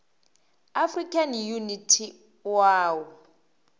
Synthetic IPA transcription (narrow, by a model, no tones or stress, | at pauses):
afrikʰʼanjunitʰi | waːwɔ